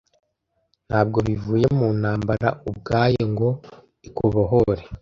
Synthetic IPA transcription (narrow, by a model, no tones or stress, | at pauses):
n̥haːb̚ɡo̞βivuːje̞munaːmbaɾa̰ub̚ɡaːjeŋɡo̞ | ikuβoɦoɾe